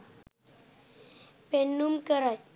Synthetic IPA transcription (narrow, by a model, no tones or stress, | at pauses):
penːumkəɾa